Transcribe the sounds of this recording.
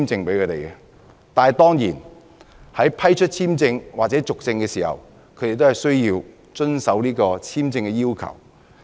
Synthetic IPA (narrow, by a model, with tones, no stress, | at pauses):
mt͡sɪ˧ŋpe˨˥jkʰø˨˧t̪e˨˩jɛ˧ | t̪aː˨n˨˩t̪ɔː˥ŋjiː˨˩n | hɐ˨˥jpʰɐ˥jt͡ʃʰɵ˥t̚t͡sʰiː˥mt͡sɪ˧ŋwaː˨t͡sɛ˨˥t͡sʊ˨k̚t͡sɪ˧ŋkɛ˧siː˨˩hɐ̰˨˩w | kʰɵ˨˧jte˨jt̪o˥whɐ˨˩jsɵ˥ɥjiː˧w | t͡ʃɵ˥nsɐ˨˥wniː˥kɔː˧t͡sʰiː˥mt͡sɪ˧ŋkɛ˧jiː˥wkʰɐ̰˨˩w